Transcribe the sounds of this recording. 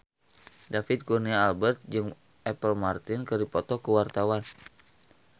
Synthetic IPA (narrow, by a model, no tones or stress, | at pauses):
dafɪt̪̚kurniaːlbɛrt̪̚d͡ʒɨŋ | ʔɛpəlmart̪ɪnkərdipɔt̪ɔkəwart̪awan